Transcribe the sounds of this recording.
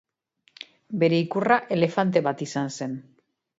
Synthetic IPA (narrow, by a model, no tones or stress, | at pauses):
be̞ɾe̞ikuraʔe̞le̞fant̪e̞βat̪isanse̞n